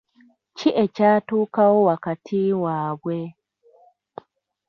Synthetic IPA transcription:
t͡ʃiʔɛt͡ʃaːtukawɔwakatʰiːwaːbwɛ

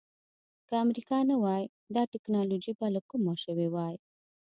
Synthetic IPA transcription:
kəamɾikɑnawɑj | d̪ɑʈɪknɑlod͡ʒibalakumaʃəwewɑj

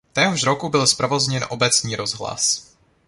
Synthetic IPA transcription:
t̪ɛːɦoʃɾokubɪlspɾavozɲɛnʔobɛt͡sɲiːɾo̞zɦla̰s

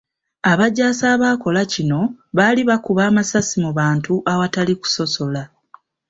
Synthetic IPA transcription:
aβaɟːaːsaːβaːko̞lacino̞βaliβakuβaːmasasimuβaːntuʔawataliku̥so̞so̞la

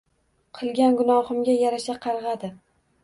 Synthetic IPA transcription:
qʰɨlˠɡʲanɡʊnɒhɨmɡʲajaɾaʃaqʰɑɾʁɑd̪ɪ

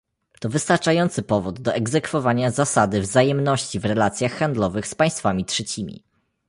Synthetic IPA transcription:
t̪ɔvɘst̪aɾt͡ʂajɔnt̪sɘpɔvud̪ːɔʔɛɡzɛkfɔvaɲazasad̪ɘvzajɛmnɔɕt͡ɕivɾɛlat̪sʲjaxːand̪lɔvɘxspaj̃st̪famʲitʂɛt͡ɕimʲḭ

